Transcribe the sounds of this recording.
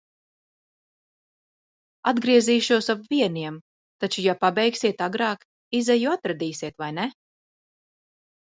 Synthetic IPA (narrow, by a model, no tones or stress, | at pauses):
ad̪ɡɾiɛziːʃuɔsapviɛniɛm | t̪at͡ʃujapabɛjksiɛt̪aɡɾɑːk | izɛjuat̪ɾad̪iːsiɛt̪vajnɛ